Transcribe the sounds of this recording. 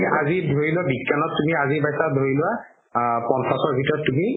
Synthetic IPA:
azidʱoɹilʊabikjanɔtːumiazibajsadʱoɹilʊwa | pɔnsasɔɹbʱitɔɹɔtːumi

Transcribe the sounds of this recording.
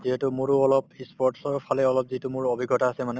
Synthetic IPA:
ziɦetumuɹuɔlɔpispɔɹʈsɔɹpʰalɛɔlɔp̚ziɦɛtumʊɹobʱiɡːɔtaːsɛmanɛ

